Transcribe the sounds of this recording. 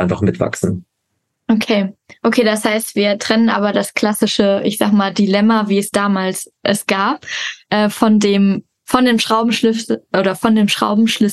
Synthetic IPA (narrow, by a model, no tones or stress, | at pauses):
aɪnfaχmɪtv̥a̰ksn̩ | ʔokʰeːʔokʰeːdashaɪstv̥iːɐtʁ̥ɛnənʔa̰ːbɐdaskl̥asɪʃəʔɪçz̥aːɡəmaːldilɛmɐviːɛsd̥aːmaːls | ʔɛsɡ̥aːpʔɛːfɔndeːm | fɔndeːmʃʁ̥aʊbm̩ʃlɪfʔoːɾɐfɔndeːmʃʁ̥a̰ʊbm̩ʃlɪ